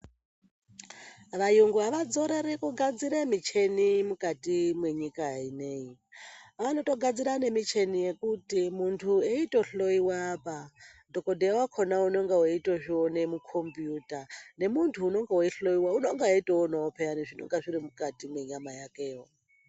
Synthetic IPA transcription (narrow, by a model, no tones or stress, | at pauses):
ʋajuŋɡuaʋad͡zoɾeɾikʼuɡad͡ziɾemit͡ʃʰenimukʼatʼimweɲikʼaineːi | anotʼoɡʱad͡ziɾane̞mit͡ʃʰenijekʼutʼimuntʰueitʼoɬoiwapʼadʱokʼodɛwakʰonaunoŋɡawoitʼoʐionemukʰompjutʼanemuntʰuːnoŋɡawoiɬoiwaunoŋɡaeitʼɔɔnaopʰɛaniʐino̰ŋɡaʐiɾimukʼatʼimweɲamajakʼeːo